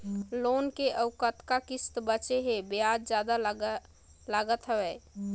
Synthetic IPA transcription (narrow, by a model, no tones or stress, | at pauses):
lonkeʔəwkət̪kakist̪bət͡ʃeɦebejad͡ʒd͡ʒjad̪a | laɡət̪ɦəbɛ